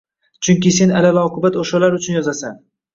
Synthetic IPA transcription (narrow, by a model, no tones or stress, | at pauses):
t͡ʃʰʊŋkʲɪse̞nalalaɒqʰʊbat̪oʃalaɾʊt͡ʃʰʊnjɒzasan